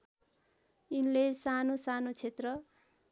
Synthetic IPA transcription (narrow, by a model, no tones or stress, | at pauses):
inlesanosanot͡sʰet̪rʌ